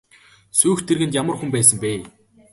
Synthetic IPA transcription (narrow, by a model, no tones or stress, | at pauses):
suːxt̪ʰːerɣɘ̆nt̪jamə̆rxumpæːsə̆mpeː